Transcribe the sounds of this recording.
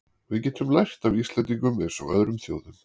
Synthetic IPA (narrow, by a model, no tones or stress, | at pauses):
vɪðcɛːt̪ʏmlajr̥t̪avist̪lɛnt̪iŋkʏmɪðsɔɣœ̰ðɾʏmθjoːwðʏm